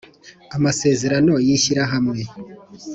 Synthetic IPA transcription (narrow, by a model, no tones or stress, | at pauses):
amase̞ːze̞ɾano̞jiçiɾaɦamŋe̞